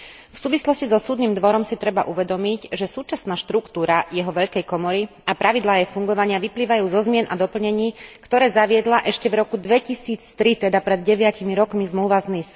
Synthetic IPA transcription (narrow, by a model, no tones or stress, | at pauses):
fsuːʋislɔscizɔsuːd̪niːmd̪ʋɔɾɔmsit̪ɾɛbaʔuʋɛd̪ɔmiɟʒɛsuːt͡ʃasnaːʃt̪ɾukt̪uːɾajɛɦɔʋɛʎkɛjkɔmɔɾi | apɾaʋid̪laːjɛfuŋɡɔʋaɲɪaʋipliːʋajuːzɔzmɪɛnʔad̪ɔpl̩ɲɛɲiːkt̪ɔɾɛːzaʋɪɛd̪laʔɛʃcɛvɾɔkud̪ʋɛcisiːt͡st̪ɾit̪ɛd̪apɾɛd̪̚ɟɛʋɪacimiɾɔkmizmluːʋaznis